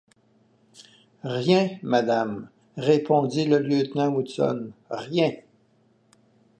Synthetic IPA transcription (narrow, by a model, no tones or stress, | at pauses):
ʁjɛ̃mad̪am | ʁepʰɔ̃d̪iləljøt̪nɑ̃usɔ̰nʁjɛ̃